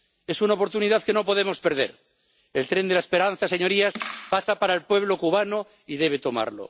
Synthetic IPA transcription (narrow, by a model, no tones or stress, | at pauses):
e̞sunaopo̞ɾt̪uniðaðke̞no̞po̞ð̞e̞mo̞spe̞ɾð̞e̞ɾ | elt̪ɾe̞nd̪elaespe̞ɾan̟θaseɲo̞ɾiaspasapaɾaelpwe̞βlo̞kuβ̞ano | iðe̞β̞e̞t̪o̞ma̰ɾlo̰